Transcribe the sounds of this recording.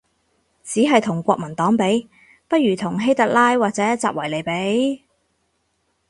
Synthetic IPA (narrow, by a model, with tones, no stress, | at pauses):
t͡siː˨˥ɦɐ˨jt̪ʰʊ˨˩ŋkʷɔː˧k̚mɐ˨˩nt̪ɔː˨˥ŋpe˨˥j | pɐ˥t̚jyː˨˩t̪ʰʊ˨˩ŋɦe˥jt̪ɐ˨˧k̚laː˥jwaː˨t̚t͡sɛː˨˥t͡saː˨p̚wɐ˨˩jle˨jpe˨˥j